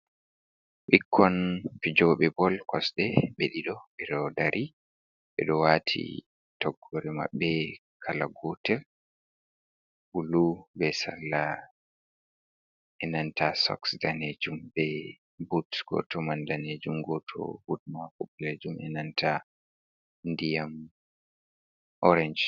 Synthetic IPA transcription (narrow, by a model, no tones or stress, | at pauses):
ɓikʰːɔnfid͡ʒɔɓɛbɔlkɔsɗɛɓeɗiɗɔɓɛɾɔdaɾʔi | ɓɛ̰ɗɔwatʰḭ | tɔɡːɔɾɛma̰ɓːɛ | kʰalaɡɔtɛl | ʔulubɛsalːa | ɛnantʰasɔ̰ksdaned͡ʒumbɛ | butɡ̥ɔ̰tɔmandaned͡ʒumɡɔtʰɔ̰hudmakupled͡ʒumɛnantʰa | ndijam | ʔɔɾɛnd͡ʒ